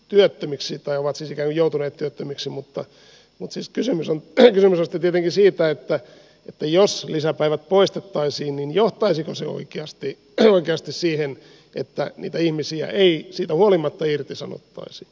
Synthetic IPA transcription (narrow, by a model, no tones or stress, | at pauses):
t̪yøt̪ːømiksit̪ɑioʋɑt̪siːsikæːŋkujout̪uneːt̪t̪yøt̪ːømiksimut̪ːɑ | mut̪siːskysymysonkysymysɑst̪it̪iet̪eŋkisiːt̪æet̪ːæ | et̪ːæjoslisæpæiʋæt̪̚poist̪et̪ːɑisiːnninjoht̪ɑisikoseo̰ikeɑst̪i | oikeɑst̪issiːhen | ʔḛt̪ːænḭːt̪æihmisiæ̰ʔeisiːt̪æhuolimɑt̪ːɑirt̪isɑno̰t̪ːɑ̰isi